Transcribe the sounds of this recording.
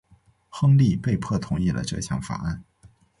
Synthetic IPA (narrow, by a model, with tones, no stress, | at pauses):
xɤ˥ŋli˥˧pe˥˧ɪpʰɤ˥˩t̪ʰʊ˧˥ŋi˥˩lə̰˩ʈ͡ʂɤ̰˥˧ɕʰjɑ̰˥˩ŋfa̰˨˧˩a˥˩n